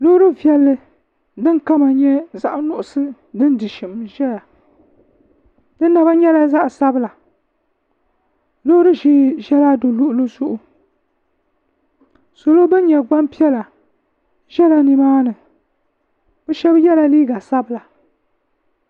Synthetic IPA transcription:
lo˦ɾɨ˦vi˨˦ɛ˦lːɨ˦ | dɨ˦nka˦ma˨ɲɛ˦za˦ʔnʊ˦ʔʊ˨sɨ˦ | dɨ˦n˦dɨ˨ʃɪ˨mʒɛ˦la˨ | dɨ˦nː˦a˨ba˦ɲɛ˦la˦za˦ʔsa˦bɨ˦la˨ | lo˦ɾɨ˦ʒi˦ʒɛ˦la˦do˨lʊ˦˨ʔʊ˨˦lo˦zʊ˦ʔʊ˨ | so˨lo˦bɨ˦n˦ɲɛ˨ɡ͡ba˦mpi˦ɛ˦la˨ | ʒɛ˦la˨ni˨maː˦nɨ˨ | b̥ɛ˦ʃɛ˦bjɛ˦la˦liː˦ɡa˨sa˦bɨ˦la˨

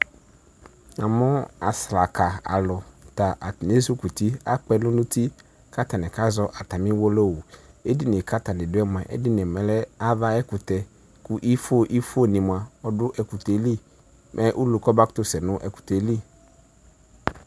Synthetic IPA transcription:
a˨mʊ̃˦a˨sla˨ka˨a̰˨lʊ˨ta˨ʔa˨ne˦su˦ku˨t̪i˦a˦k͡pɛ˦nʊ̃˦nʊ̃˦t̪i˦ | ka˦ta˨nɪ̃˨ka˦zɔ˦ʔa˨ta˨mɪ̃˦wɔ˦lɔ˦˨wu˨e˦di˦nɪ˨ka˦ta˨nɪ̃˨dʊ˦ɛ˦m˨ã˨ʔɛ̰˦dɪ˦nɛ˨mɛ˨lɛ˦a˦ða˦ɛ˦kʊ˨t̪ɛ˨ | kʊ˦ʔi˦fo˦˨ʔi˦fo˦˨nĩ˨mʊ˨a˨ɔ˦dʊ˦ʔɛ˨kʊ˨te˨li˦ | mʔɛ˦ʔu˦lu˨kɔ˦ba˦kt̪ʊ˦sɛ˨nʊ̃˦ʔɛ˨kʊ̥˨tɛ˨li˦

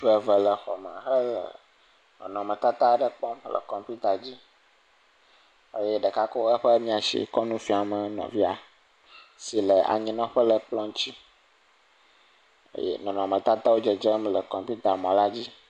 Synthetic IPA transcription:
ɸə˨və˨lə˨xɔ̰˨mə̰̃˨xə˦lə̰˨ | nɔ̰̃˨nɔ̃˨mə̃˨t̪a˦t̪a˦ɖə˨k͡pɔ˦mlə̰˨kɔ˨mpu˦t̪a˨d͡ʑi˦ | e˦je˦ɖə˨ka˦ko˦ə˦ɸə˦mĩ˦a˨ʃḭ˦kɔ˦nũ˦fi˦a˨mə̃˨nɔ̰̃˨vi˦a˨ | si˨lə˨a̰˨ɲĩ˦nɔ̃˦ɸə˦lə˨k͡plɔ̃˦ŋ˦t͡ɕi˦ | ḛ˦jḛ˦nɔ̃˨nɔ̃˨mə̃˨t̪a˦t̪a˦wo˦d͡ʒə˨d͡ʒə˦mlə˨kɔ˨mpu˦t̪a˨mɔ̃˨la˦d͡ʑi˦

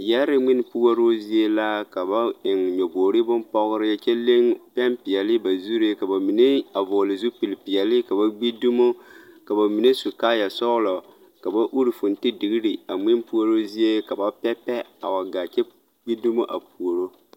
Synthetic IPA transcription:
jɛ˦ɾɪ˦ŋ͡mmɪ˦n˦pu˦o˦ɾo˦zi˦e˦la˦ka˨ba˦ɪ˨ŋɲɛ˨boː˨ɾi˦bʊ˦npɔ˦ɣʊ˦ɾɪ˦ja˦t͡ʃɛ˦le˦ŋpɛ˦npi˨jɛ˨lɪ˦ba˨zu˦ɾe˦ka˨ba˨mi˨ne˦a˨vʊ˨lɪ˨zu˦pi˨lpi˨ɛ˨lɪ˦ka˨ba˦ɡ͡bi˦du˦mo˦ka˨ba˨mi˨ne˦su˨kaː˦ja˨sɔ˦ɣlɔ˨ | ka˨ba˦ʔu˦ɾi˨fu˨n̩˨tɪ˦dɪ˨ɡi˦ɾi˨a˨ŋ͡mɪ˦n˦pu˦o˦ɾo˦zi˦e˦ka˨ba˦pɛ˦pɛ˦a̰˨wa˨ɡa˨t͡ʃɛ˦ | ɡ͡bi˦du˦mo˦ʔa˨pu˨o˨ɾo˦

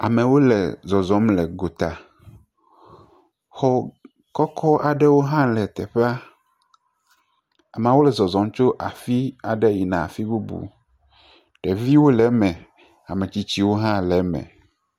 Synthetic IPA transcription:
a˨mɛ̃˨wo˦lɛ̰˨zɔ˨zɔ̃˨˦mlɛ˨ɡo˨t̪a˨ | xɔ˨ | kɔ˦kʰɔ˦ʔa˨ɖɛ˦wo˦ɦã˦lɛ˨t̪ɛ˨ɸe˦a˦ | a˨m˨ã˨wo˦lɛ˨zɔ˨zɔ̃˨m˦t͡ʃo˦ʔa˨fi˦a˨ɖɛ˦ji˨nã˨a˨fi˦bu˦bṵ˨ | ɖ̥ɛ˨vi˦wo˦lɛ˨˦mɛ̃˨ | a˨mɛ̃˨t͡ɕi˦t͡ɕi˦wo˦ɦã˦lɛ˨˦mɛ̰̃˨

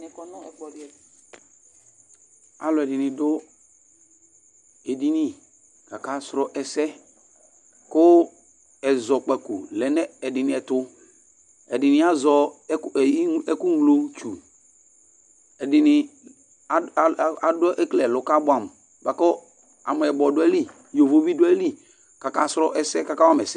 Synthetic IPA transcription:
nɪ˨kɔ˦nɔ˦ɛ˨k͡pɔ˨dɛ˨ | a˨lʊ˨ɛ˨dɪ˨nɪ̃˨dʊ˦ | e˨di˦ni˦ | ka˨ka˦sɾɔ˨ʔɛ˨sɛ˦ | kʊ˦ | ɛ˨zɔ˨k͡pɛ˨ku˨lɛ˨nɛ˦ɛ˨dɪ˨nɪ̃˨ɛ˨tʊ˦ | ɛ˨dɪ˨nɪ̃˦a˦zɔ˨˦kɛ˦kʊ˦ŋ˨lo˦t͡ʃu˨ | ɛ˨dɪ˨nɪ˨ | a˨dʊ˦ʔe˦klɛ˨lʊ˨ka˦bʊ˦ã˨m˨ | ba˨kɔ˦ | a̰˨mʊ˨ɛ˨bɔ˨dʊ˦ɛ˦li˦ | jo˨vo˦vi˦dʊ˦ɛ˦li˦ | ka˨ka˦sɾɔ˦ʔɛ˨sɛ˦ka˨ka˦wa˦mɛ˨sɛ˦

